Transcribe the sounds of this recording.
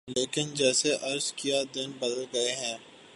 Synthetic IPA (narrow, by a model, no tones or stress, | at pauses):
leːkɪnd͡ʒɛːseʔɐɾzkijad̪ɪnbɐd̪əlɡɐeɦɛ̃ː